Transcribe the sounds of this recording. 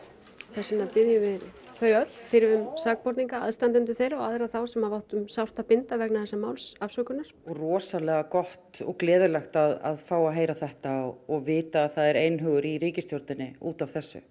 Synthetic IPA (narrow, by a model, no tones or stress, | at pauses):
θɛsɪnapɪðjʏvɪðθœːɥœt̪n̥fɪɾvʏmsaːk̚pɔɾt̪iŋkaa̰ðst̪ant̪ɪnt̪̬ʏθejɾaɔaðɾaθawsɛmaðvawht̪ʏmsawr̥t̪apɪnt̪avɛknaθɛsːamaːwlsafsœːkʏnaɾ̥ɔɣrɔːsalɛɣakɔht̪ɔ̰ɣklɛːðʏlaxt̪aða̰ðfaːwaɦeːjɾaθɛht̪aɔɔɣvɪːt̪aːðθaðɛɾejnɦœːɣʏɾiɾiːcɪst̪jɔɾt̪ɪnːɪuːt̪avθɛsːʏ̰